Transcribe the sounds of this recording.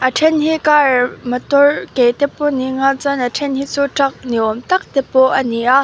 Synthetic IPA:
ʔəʈ͡ʂʰɛnhikaɹmət̪ɔɹkejt̪ɛpːoniŋant͡sanəʈ͡ʂʰɛnhit͡suʈ͡ʂɐk̚niʔɔmt̪ɐk̚t̪ɛpːɔʔəniʔa

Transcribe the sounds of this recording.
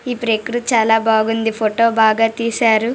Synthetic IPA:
ipɾekɾut͡ʃaːlaːbaːɡund̪ipʰoʈo̞ːbaːɡaːt̪iːsaːɾu

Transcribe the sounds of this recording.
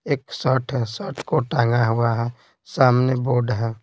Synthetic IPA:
eːksəːʈʰɦɛsəʈʰkoʈãːŋɡaɦʊaɦɛ | saːmneboːɖɦɛː

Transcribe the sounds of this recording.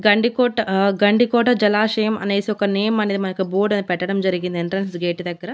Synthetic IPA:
ɡɐɳɖikɔːʈːɐɡɐɳɖikɔːʈɐd͡ʒɐlaːʂɐjɐmɐ̰neːsiɔkɐneːjɐmɐneːd̪imɐnɐkiboːɾɖɐnpɛʈːɐɽɐmd͡ʒɐɾiɡind̪eɳʈɾɐnsɡeːʈid̪ɐɡːɐɾɐ

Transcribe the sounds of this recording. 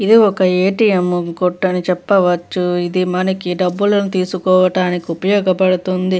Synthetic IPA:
id̪iɔkɐeːʈijemkoʈːɐnit͡ʃɛpːɐʋɐt͡ʃːuid̪imɐnɐkiɖɐbːulɐnut̪iːsukɔːʋɐʈaːnikiupɐjɔːɡɐpɐɽut̪und̪i

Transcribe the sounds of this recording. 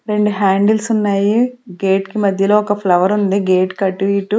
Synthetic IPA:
ɾe̞ɳɖuɦaːɳɖelsunːaːjiɡeːʈkimɐd̪ʱjɐlo̞ːɔkɐpʰlɐʋɐɾund̪iɡeːʈkɐʈːuʋiːʈu

